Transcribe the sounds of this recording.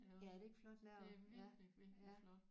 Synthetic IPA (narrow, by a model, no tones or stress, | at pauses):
jæɾ̥ee̝ɡ̥flɒ̽d̥lɛɐ̰ææ